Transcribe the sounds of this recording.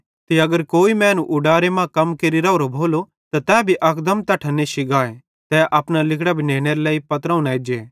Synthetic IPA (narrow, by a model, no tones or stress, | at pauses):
t̪iɐɡəɾkoːimɛ̃ːnuʔʊɖaːɾemãkɐmkeːɾiɾɐːɾobʱoːlo | t̪at̪ɛ̃ːbʱiʔɐkʰd̪əmt̪ɐʈʰɐnːeʃɪɡaːe | t̪ɛʔɐpñalɪkʰɽabʱineːɽ̃eɾelɛːipɐt̪ɾãʊ̃naed͡ʒeː